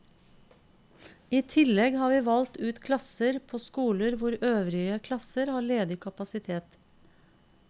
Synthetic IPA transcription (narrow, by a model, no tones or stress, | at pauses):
iːt̪ʰɪlɛɡhɑːʋiːʋɑlt̪ʉːt̪kʰlɑsəɾpʰoːskuːləɾʋʊɾøːʋɾɪəkʰlɑsəɾhɑːɭeːd̪ɪkʰɑpɑsɪt̪ʰeːt̪